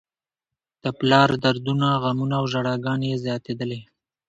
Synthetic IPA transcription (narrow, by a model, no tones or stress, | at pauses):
d̪̥əplɑɾd̪aɾd̪unaɣamunaːwʒaɽɑɡɑnejezjɑt̪ed̪əle